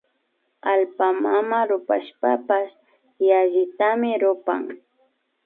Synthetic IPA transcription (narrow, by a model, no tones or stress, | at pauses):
alpamamaɾʊpa̰ʃpapas | jaʒɪt̪amɪɾʊpa̰ŋ